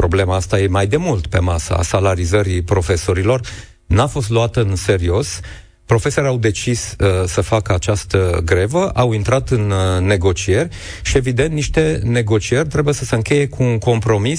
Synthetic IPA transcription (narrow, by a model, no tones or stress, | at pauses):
pɾo̞ble̞maast̪aje̞majd̪e̞mult̪pe̞̰masə̰a̰salaɾizəɾipɾo̞fe̞so̞ɾilo̞r | nafo̞st̪luat̪əɨnse̞ɾio̞s | pɾo̞fe̞so̞ɾeawd̪e̞t͡ʃissəfakəat͡ʃast̪əɡɾe̞vəʔawint̪ɾat̪ɨnːe̞ɡo̞t͡ʃie̞rʲ | ʃie̞vid̪ent̪niʃt̪e̞ne̞ɡo̞t͡ʃie̞rʲt̪ɾe̞buje̞səseɨŋkʲe̞je̞kʰuːŋko̞mpɾo̞mis